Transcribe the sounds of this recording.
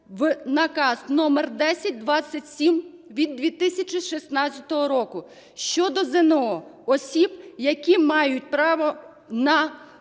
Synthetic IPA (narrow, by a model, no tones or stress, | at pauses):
ʋnɐkɑznɔmɛrd̪ɛsʲɐt̚ʲd̪ʋɑt͡sʲːɐtʲsʲim | ʋʲid̪ːʋʲit̪ɪsʲɐt͡ʃiʃisnɑt͡sʲɐt̪ɔɦɔɾɔkʊ | ʃt͡ʃɔd̪ɔzeneɔɔsʲibjɐkʲimɑjʊt̚ʲpɾɑʋɔ | nɐ